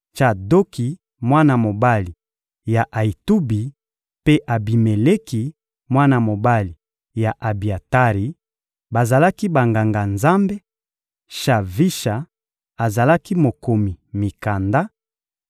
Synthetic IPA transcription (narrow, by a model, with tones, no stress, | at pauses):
t͡ʃa˨do˦ki˨ | mwa˦na˨mo˨ba˦li˨ | ja˨ʔa˨i˨tu˦bi˨ | pe˦ʔa˨bi˨me˨le˦ki˨ | mwa˦na˨mo˨ba˦li˨ | ja˨ʔa˨bi˨a˨ta˦ʁi˨ | ba˨za˨la˦ki˦ba˨ŋɡa˨ŋɡa˨nza˦mbe˦ | ʃa˨vi˦ʃa˨ | a˨za˨la˦ki˦mo˨ko˨mi˨mi˨ka˨nda˦